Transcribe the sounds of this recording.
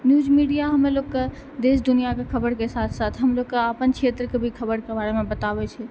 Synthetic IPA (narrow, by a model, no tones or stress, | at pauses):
njud͡ʒmiɖijaɦəmelokkːe | d̪esd̪unijakekʰəbəɾkesat̪ʰsat̪ʰɦəmlokːeəpənt͡ʃʰet̪ɾəkebʱikʰəbəɾkebaɾemebət̪abɛt͡ʃʰɛ